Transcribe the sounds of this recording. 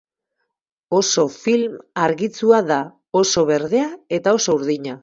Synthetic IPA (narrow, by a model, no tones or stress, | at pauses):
o̞so̞filmaɾɣit͡suaða | o̞so̞β̞e̞ɾðe̞ae̞t̪ao̞souɾðiɲa